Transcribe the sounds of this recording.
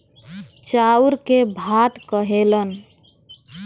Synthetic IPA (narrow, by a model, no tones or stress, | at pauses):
t͡ʃauɾkebʱat̪kəɦelən